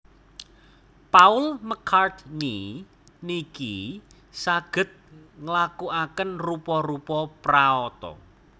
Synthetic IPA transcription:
paʊlməkʰart̪ni | niki | saɡ̥ə̤t̪̚ŋəlakuakənrupɔrupɔpraɔt̪ɔ̰

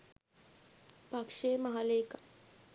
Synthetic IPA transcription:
pakʂeːmɐɦaleka

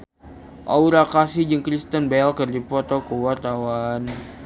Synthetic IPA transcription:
ʔauɾakasid͡ʒəŋkɾist̪ənbaalkərdipɔt̪okuwart̪awan

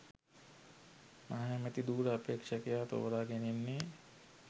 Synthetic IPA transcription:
maɦamet̪id̪uːɾəɐpeːkʂakejaːt̪o̰ːɾaːɡenenːe

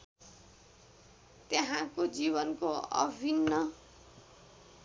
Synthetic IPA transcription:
t̪eɦãkod͡ziβʌnkoʌ̰bʱinːʌ

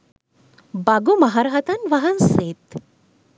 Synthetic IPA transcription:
baɡumɐɦaɾaɦɐt̪anʋaɦanset̪

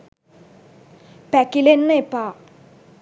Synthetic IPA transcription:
pɛkilenːepa

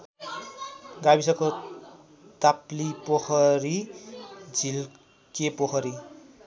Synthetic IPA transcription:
ɡabisʌko | t̪aplipoxʰʌɾi | d͡zil | kepoxʰʌɾi

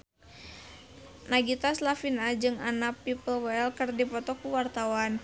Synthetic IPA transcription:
naɡit̪aslafinad͡ʒɨŋanapipəlwɛlkɨrdipɔt̪ɔkuwart̪awan

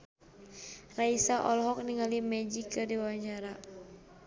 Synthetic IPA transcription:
raisaʔɔlɦɔk̚niŋalimɛd͡ʒikːɨrdiwaɲt͡ʃaɾa

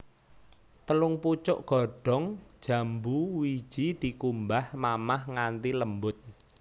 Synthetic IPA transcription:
t̪əlʊŋput͡ʃʊʔɡ̥ɔɖ̥ɔ̤ŋ̥ʒ̥ä̤mbuwi̥ʒ̥id̪̥i̤kumbahmamahŋant̪iləmbʊt̪̚

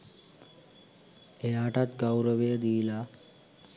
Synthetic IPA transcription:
ejaʈat̪ɡawɾəʋejəd̪iːla

